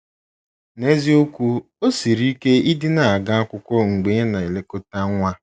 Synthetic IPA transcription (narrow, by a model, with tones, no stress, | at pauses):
ne˦zi˦o˦kʷu˦ | o˦si˨ɾi˦ke˦i˦dɪ˦na˨a˨ɡa˦a˦kʷʊ˦kʷɔ˦ŋ͡m̩˨ɡ͡be˨ɲe˦na˨e˨le˦ko˦ta˦ŋʷa˦